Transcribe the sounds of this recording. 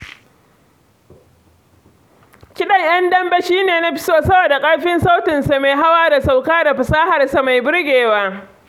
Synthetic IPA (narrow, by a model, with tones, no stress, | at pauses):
kʲɪ˦ɗɐ˨ɲj̰ɐ˦ndɐ˦mbɐ˦ʃiː˦neː˨na˦ɸɪ̥˦soː˦sɐ˦boː˨da˨kʼɐ˦ɽɸɪ˦nsa˦wtɪ˨nsa˨maː˨jɦa˦waː˦da˨sa˨wkaː˦da˨ɸɪ˨saː˦ha˨rsa˨ma˨jbʊ˦ɽɡʲeː˨waː˦